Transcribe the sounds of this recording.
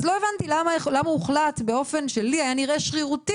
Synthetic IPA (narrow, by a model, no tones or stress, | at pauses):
zlo̞evant̪ilamalamauχlat̪beo̞fe̞nʃe̞liajaniʁe̞ʃχiʁuti